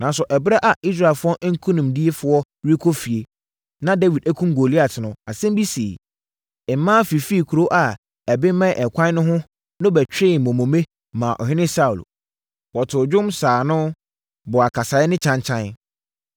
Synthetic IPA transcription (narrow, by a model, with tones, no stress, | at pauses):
nã˨n˦s̬ʊ˨ʔɛ˨bɾa˦ʔa˨i˦s̬ɾa˦˨e˨lfʊ˦ɔ˦ʔŋ̩˦kʰũ˦nũ˨mdi˦e˦fʊ˨ɔ˦ | ɾi˦kʰo˦fi˨e˨ | nã˦da˦wi˨dæ˦kʰũ˦m˦ɡo˨li˦a˨tʰɪ˨nʊ̃˨a˨sɛ̃˦m˦bi˦si˨ | ɛ˨m˨˦mãː˦fi˨fi˦˨kʰu˨ɾo˦ʔa˨ | ɛ˨bɪ˦mɛ̃˦˨ʔɛ˨kʷʰã˦n˦nʊ̃˦ɦʊ̃˦ | nʊ̃˦bɛ˨t͡ɕᶣɪ˦˨mɔ̃˨mõ˨mẽ˦ | mã˨ʔɔ̰˨ɦɪ̃˦nɪ̃˦sa˦u˨l | wɔ˨tʰʊ˨d͡ʑᶣʊ̃˦msaː˨nʊ̃˦ | bʊ˨a˨kʰa˨sa˨ɪ˦nɪ̃˦t͡ɕʰã˦nt͡ɕʰã˦n